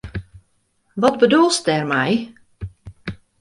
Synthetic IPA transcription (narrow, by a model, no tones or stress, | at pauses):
ʋɔtbədulˠst̚ɛrmɛj